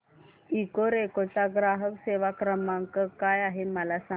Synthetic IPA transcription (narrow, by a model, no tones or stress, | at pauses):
ikoɾekot͡saɡɾaɦəʋseʋakɾəmaŋkəkajaɦeməlasa